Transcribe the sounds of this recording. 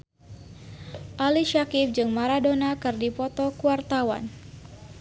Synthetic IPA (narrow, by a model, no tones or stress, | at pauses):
ʔaliʃakif̚d͡ʒɨŋmaɾadonakɨrdipɔt̪ɔkuwart̪awa̰n